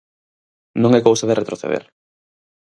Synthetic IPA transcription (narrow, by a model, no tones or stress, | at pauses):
nõŋɛkowsaðeret̪ɾoθḛðḛɾ